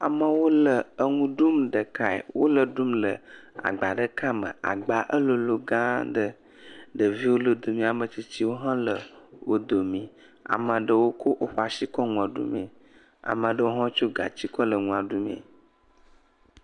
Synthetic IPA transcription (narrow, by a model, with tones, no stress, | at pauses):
a̰˨mə˨wo˦lə˨ə˦ŋũ˦ɖu˦mɖə˨ka˨ɛ̰˨wʔo˦lə˨ɖu˦mlə˨a̰˨ɡ͡ba˨ɖə˦ka˦mə̰̃˨a̰˨ɡ͡ba˨ʔə˦lo˨lo˨ɡã˦ɖə˦ | ɖə˨vi˦wo˦lo˨d̪o˨mĩ˨a˨mə̃˨t͡ɕi˦t͡ɕi˦wo˦ɦã˦lə˨wo˦d̪o˨mĩ˨ | a̰˨mə̃˨ɖə˨wo˦ko˦ʔo˦ɸa˨si˦kɔ˦ŋũ˨a˨ɖṵ˦mḛ̃˨ | a̰˨mə̃˨ɖə˦wo˦ɦɔ̃˦t͡ʃo˦ɡa̰˨t͡ɕi˦kɔ˦lə˨ŋũ˨˦a˨ɖu˦mḛ̃˨